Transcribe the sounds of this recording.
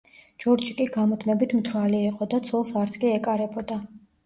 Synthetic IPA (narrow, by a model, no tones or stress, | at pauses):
d͡ʒɔɾd͡ʒikʼiɡamɔt̪ʰmɛbit̪ʰmt̪ʰɾwaliːqʼɔd̪at̪sʰɔlˠsaɾt̪sʰkʼiɛkʼaɾɛbʰɔd̪a